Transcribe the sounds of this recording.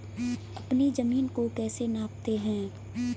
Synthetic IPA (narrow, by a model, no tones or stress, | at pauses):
ɐpnizəmiːnkokɛːsenaːp̚t̪eɦɛ̃ː